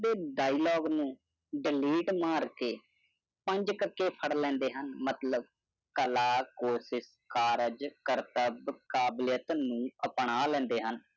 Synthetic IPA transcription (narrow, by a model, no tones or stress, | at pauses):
d̪eːɖaːiloːɡnũː | ɖɪliːʈmaːɾkeː | pə̃ɲd͡ʒkəɾkeːpʰəɽlɛ̃ːnd̪eːɦənmət̪ləb̚ | kəlaːkoːsɪs | kaːɾəd͡ʒkəɾt̪əbkaːblɪjət̪nũːəpɳaːlɛ̃ːnd̪eːɦən